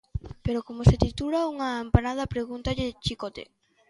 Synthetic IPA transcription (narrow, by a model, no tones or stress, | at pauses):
peɾokomoset̪it̪ulauŋaːmpanað̞ɐpɾeɣunt̪aʎet͡ʃikot̪ḛ